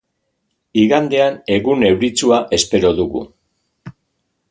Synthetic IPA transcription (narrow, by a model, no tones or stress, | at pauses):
iɣand̪e̞ane̞ɣune̞wɾit͡suaʔe̞spe̞ɾo̞ðuɣṵ